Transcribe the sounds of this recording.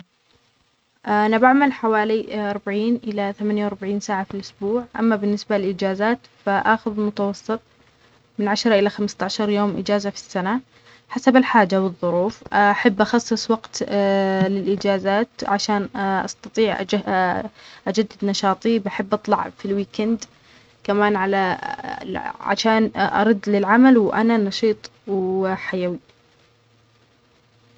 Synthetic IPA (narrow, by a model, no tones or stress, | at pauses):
ʔnabaʕmalħawaːliʔɑɾˤbaʕiːnʔɪlaθamanjawɾbaʕiːnsaːʕafilʔʊsbuːʕʔa̰mːabɪnːɪsbalɪlʔɪd͡ʒaːzaːt̪faʔaxʊðɪlmʊt̪awɑsˤːɨt̪ˤ | mɪnʕaʃɾˤɑʔɪlaxamst̪aʕʃɑɾˤjoːmʔɪ̰d͡ʒaːzafi̥sːana | ħasabɪlħaːd͡ʒawɨðˤːʊɾuːfʔaħabːʔɑxɑsˤːɨsˤwɑɡt̪ | lɪlʔɪd͡ʒaːzaːt̪ʕaʃaːnʔɑ̰st̪ɑt̪ˤiːʕʔ | ʔad͡ʒad̪ːɪd̪nɑʃɑːt̪ˤibaħɪbːʔɑt̪ˤlɑ̰ʕfilwiːkand̪ | kamaːnʕala̰ | ʕa̰ʃaːnʔɑ̰ɾˤɑd̪ːlɪlʕamalwʔa̰nanɑʃiːt̪ˤwħajawi